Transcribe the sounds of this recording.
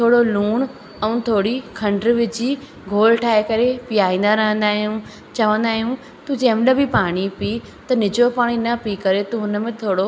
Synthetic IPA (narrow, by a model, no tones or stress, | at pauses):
t̪ʰoːɽoluːɽ̃ | ɛũt̪ʰoːɽikʰɐ̃ɳɖɾʋɪd͡ʑi | ɡʱoːlʈʰaːekɐɾepijaːĩːn̆d̪aɾɐɦə̃nd̪aːɦijũ | t͡ɕɐʋə̃nd̪aːɦijũ | t̪ũd͡ʑɐ̃ɦmɗəbʱipaːɽ̃ipi | t̪ɐnɪd͡ʑopaːɽ̃inɐpikɐɾet̪ũɦʊnmẽt̪ʰoːɽo